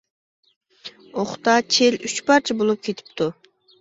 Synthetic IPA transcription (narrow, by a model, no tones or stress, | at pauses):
oχt̪ɑt͡ʃʰelyt͡ʃpɑɾt͡ʃʰabolˠup̚kʲʰet̪ʰi̥pt̪ʊ